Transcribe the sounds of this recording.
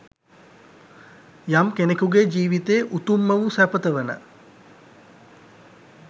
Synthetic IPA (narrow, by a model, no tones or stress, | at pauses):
jamkenekuɡed͡ʒiːʋit̪eːʔut̪umːəʋusæpət̪əʋənə̰